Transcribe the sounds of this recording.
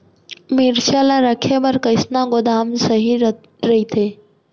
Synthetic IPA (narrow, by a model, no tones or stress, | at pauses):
miːɾʃalaɾəkʰebəɾkəɪsnaɡod̪aːmsəɦi | ɾəɦit̪ʰeː